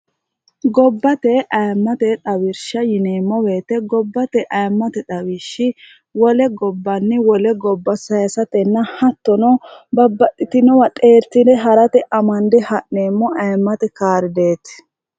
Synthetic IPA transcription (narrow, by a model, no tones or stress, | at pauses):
ɡɔbːɐt̪ɛʔɐjmːɐt̪ɛt̪ʼɐwɪɾʃɐjɪneːmːɔwe̞ːt̪ɛɡɔbːɐt̪ɛʔɐjmːɐt̪ɛt̪ʼɐwiʃːɪ | wɔlɛɡɔbːɐnːɪwɔlɛɡɔbːɐsɐjɐsɐt̪ɛnːɐhɐt̪ːɔnɔbɐbːɐt̪ʼːɪt̪ɪnɔwɐt̪ʼe̞ːɾt̪ɪd̪ɛɦɐɾɐt̪ɛʔɐmɐnd̪ɛhɐʔneːmːɔʔɐjmːɐt̪ɛkaːɾɪd̪eːt̪